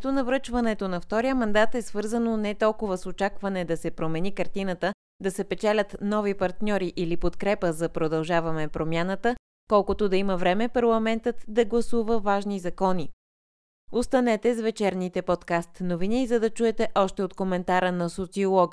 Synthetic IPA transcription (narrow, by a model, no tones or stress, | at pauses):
t̪onɐvɾɤt͡ʃvənɛt̪onɐft̪ɔɾijəmɐnd̪at̪ɛsvɤɾzənonɛt̪ɔlˠkʊvəsot͡ʃakvɐnɛd̪ɐsɛpɾomɛnikəɾt̪inət̪ə | d̪ɐsɛpɛt͡ʃɛlʲət̪nɔvipɐɾt̪nʲɔɾiʔilipot̪kɾɛpəzɐpɾod̪ɐlˠʒavɐmɛpɾomjanət̪ə | kɔlˠkʊt̪od̪ɐiməvɾɛmɛpɐɾlˠɐmɛnt̪ət̪d̪ɐɡlˠɐsuvəvaʒnizɐkɔni | ost̪ɐnɛt̪ɛzvɛt͡ʃɛɾnit̪ɛpot̪kast̪novinizɐd̪ɐt͡ʃuɛt̪ɛʔɔʃt̪ɛot̪komɛnt̪aɾənɐsot̪siolˠɔk